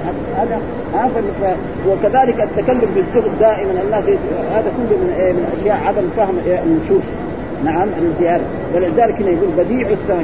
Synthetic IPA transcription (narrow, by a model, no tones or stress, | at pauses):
ha | haːd̪a | ʔafanːfa | wɪkaðaːlɪkʔat̪ːakalːʊmfizːʊhd̪d̪aːʔɪmananːaːsjɪhaːd̪akʊlːumɪnemɪnʔaʃjaːʔʕad̪amfaːhɪmnːʊʃuːf | naʕamalɪzɪjaːd̪a | balɪd̪aːlɪkhɪnːajaɡuːlbad̪iːʕʊsaː